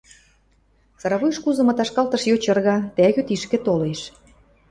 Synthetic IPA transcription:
sɑɾɑβujʃkuzɤ̆mɤ̆t̪ɑʃkɑlt̪ɤ̆ʃjot͡ɕɤ̆rɣɑt̪æɣyt̪iʃkĕt̪oleʃ

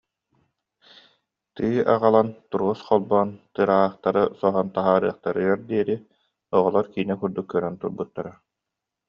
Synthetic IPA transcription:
t̪ɯːʔa̰ʁalˠant̪uɾʁusχɔlˠbɔːnt̪ɯːɾaːaːχt̪aɾɯsɔɦɔnt̪aɦaːɾɯːɐχt̪aɾɯɡaɾd̪iɛɾi | ɔʁɔlˠɔɾkiːnɛkuɾd̪ukːœɾœnt̪uɾbut̪ːaɾa

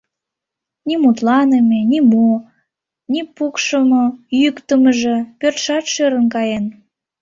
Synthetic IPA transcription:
nʲimut̪lɑnemʲenʲimu | nʲipukʃəmɤjykt̪əməʒĕpørt̪ʃɑt̪ʃøɾənkɑjen

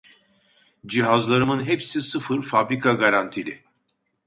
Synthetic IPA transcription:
d͡ʒiɦazlˠaɾɯmɯnɦepsisɯfɯɾfabɾikʰaɡaɾant̪ʰilʲɪ

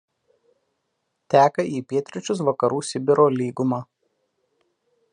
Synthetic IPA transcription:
t̪ʲæːkɐiːpʲiɛt̪ʲɾʲɪt͡ʃʲʊsʋɐkɐɾuːsʲɪbʲɪɾoːlʲiːɡʊmɑː

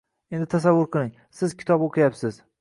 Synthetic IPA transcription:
end̪ɪt̪ʰasavːʊɾqʰɨlˠɪŋ | sɪzkʲʰɪ̥t̪ʰɒboqʰɨjapsɪz

